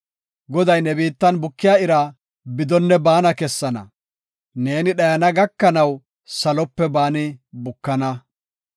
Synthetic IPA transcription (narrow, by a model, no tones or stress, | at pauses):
ɡɔd̪ɐjnɛbiːt̪ːɐnbʊkːɪjaːɪɾa | bɪd̪ɔnːɛbaːnɐkɛsːɐnɐ̰ | ne̞ːnɪɗɐjɐnɐɡɐkːɐnɐw | sɐlɔpːɛbaːnɪbʊkːɐnɐ